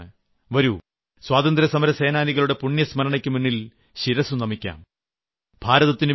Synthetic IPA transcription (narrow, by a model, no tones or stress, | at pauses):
ɨ | ʋɐɾu | swaːd̪ɐnd̪ɾɐsɐmɐɾɐseːnaːniɣɐɭuɽe̞puɳjɐsmɐɾɐɳɐkʲːɨmunːil | ɕiɾɐsunɐmikʲːa̰ːm | bʱaːɾɐðɐt̪ːinɨ